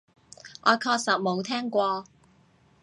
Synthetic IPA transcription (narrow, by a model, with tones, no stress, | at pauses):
ʔɔː˨˧kʰɔː˧k̚sɐ˨t̚mo˨˧wt̪ʰɛː˥ŋkʷɔː˧